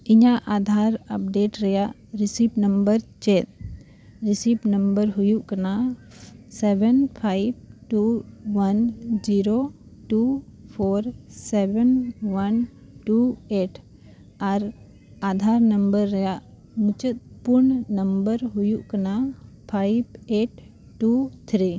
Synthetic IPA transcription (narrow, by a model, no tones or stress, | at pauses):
iɲaʔʔad̪ʱaɾəp̚ɖeʈɾɛjaʔ | ɾisipnəmbəɾt͡ʃɛt̪̚ | ɾisipnəmbəɾɦujuʔkəna | sɛbɛnpʰajb̚ʈuwənd͡ʒiɾoʈupʰoɾsɛbɛnwən | ʈueʈʰ | aɾ | ad̪ʱaɾnəmbəɾːɛjaʔ | mut͡ʃət̪̚puɾɳnəmbəɾɦujuʔkənapʰajbeʈ | ʈːut̪ʰɾi